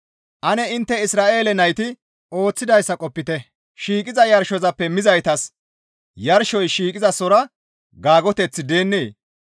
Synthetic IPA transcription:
ʔɐnɛɪnt̪ːɛɪsɾaːʔe̞ːlɛnɐjt̪ɪ | o̞ːt͡sːɪd̪ɐjsːɐkʼɔpːɪt̪ɛ | ʃiːkʼɪzɐjɐɾʃɔzɐpːɛmɪzɐjt̪ɐs | jɐɾʃɔjʃiːkʼɪzɐsɔɾɐ | ɡaːɡɔt̪ɛt͡sːɪd̪e̞ːnːeː

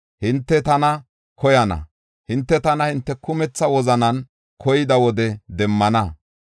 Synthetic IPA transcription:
hɪnt̪ːɛt̪ɐnɐ | kʰɔjɐnɐ̰ | hɪnt̪ːɛt̪ɐnɐhɪnt̪ːɛkʊmɛt͡sːɐwɔzɐnɐn | kʰɔjɪd̪ɐwɔd̪ɛd̪ɛmːɐnɐ

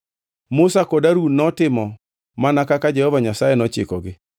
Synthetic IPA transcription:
mʊsakɔdaɾunɔtɪmɔ | manakakad͡ʒɛhɔvaɲasajɛnɔt͡ʃɪ̰kɔɡɪ

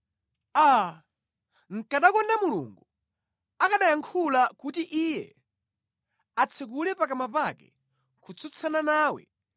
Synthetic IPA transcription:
a | ŋ̩kaɗakɔndamulṵŋɡu | akaɗajaŋkʰulakutiʔijɛ̰ | at͡sʰɛk̬ulɛpakamapakɛ | kʰut͡sʰut͡sʰananaːwɛ̰

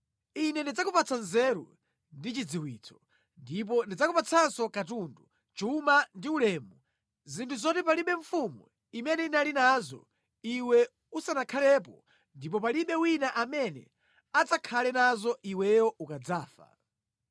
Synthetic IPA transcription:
inɛndid͡zakupat͡sʰanzɛɾṵ | ndit͡ʃid͡ziwiːt͡sʰɔ̥ | ndip̬ɔndid͡zakupat͡sʰansɔkatundu | t͡ʃumandiulɛːmu | zintʰuzɔtɛpaliɓɛɱfumṵ | imɛnɛinalinazɔ̰ | iwɛ | usanakʰalɛp̬ɔ | ndip̬ɔpaliɓɛwinaʔamɛnɛ̰ | ad͡zakʰalɛnazɔʔiwɛjɔukad͡zaːfa̰

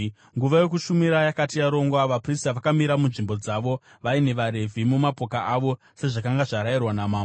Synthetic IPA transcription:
ŋɡuʋaje̞k̬uʃumiɾajakatijaɾo̞ŋɡwaʋapristaʋakamiɾamunʐimbo̞d͡zaʋo̞ | ʋaine̞ʋaɾe̞vʱimumapo̞kaʔaʋo̞ | se̞ʐakaŋɡaʐaɾairwanamaːm

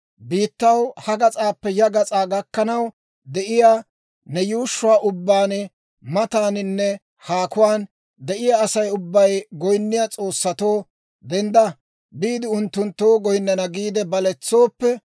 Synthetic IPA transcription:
biːt̪ːɐwhɐɡɐt͡sʼaːpːɛjɐɡɐt͡sʼaːɡɐkːɐnɐw | d̪ɛʔɪjaː | nɛjuːʃːʊwaːʔʊbːaːn | mɐt̪aːnɪnːɛ | haːkʊwaːn | d̪ɛʔɪjaːsɐjʊbːɐjɡɔjnːɪjat͡sʼo̞ːsːɐt̪o̞ː | d̪ɛnd̪ɐ | biːd̪ɪʊnt̪ːʊnt̪ːo̞ːɡɔjnːɐnɐɡiːd̪ɛbɐlɛt͡sːo̞ːpːɛ

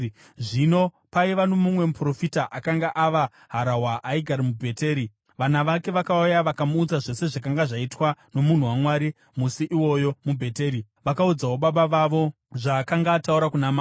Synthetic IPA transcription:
ʐino̞ | paiʋanomumwe̞mupro̞fitaʔakaŋɡaʔaʋa | ɦaɾaɦwaʔaiɡʱaɾimubʱe̞te̞ːɾi | ʋanaʋake̞ʋakaujaʋakamuːd͡zaʐe̞se̞ʐakaŋɡaʐaitwano̞mun̤uwamwaɾi | musiʔiwo̞jo̞mubʱe̞te̞ːɾi | ʋakaud͡zawoɓaɓaʋaʋo̞ | ʐakaŋɡaːtauɾakunamː

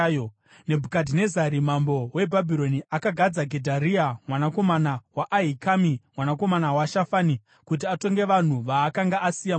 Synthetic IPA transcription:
ne̞bʱukadʱine̞zaɾimambo̞we̞bʱabʱiɾo̞niʔakaɡʱad͡zaɡʱe̞dʱaɾiamwanako̞manawaʔːɦikamimwanako̞manawaʃafani | kut̬iato̞ŋɡe̞ʋan̤uʋaːkaŋɡaʔasija

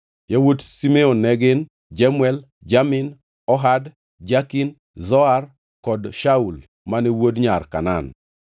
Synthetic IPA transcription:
jawodsimeonːɛɡɪn | d͡ʒamwɛl | d͡ʒamɪn | ɔɦad | d͡ʒakin | zɔar | kɔdʃaul | manɛwodɲarka̰na̰n

